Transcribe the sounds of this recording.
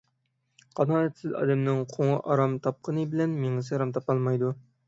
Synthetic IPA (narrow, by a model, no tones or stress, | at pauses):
qʰɑnɑɛt̪ʰsɪzɑ̰d̪ɛmnɪŋqʰoŋɑʔɑɾɑmt̪ʰɑp̚qʰənɨbɪlɛnmeŋɨsɨɾɑmt̪ʰɑpɑlˠmɑjd̪u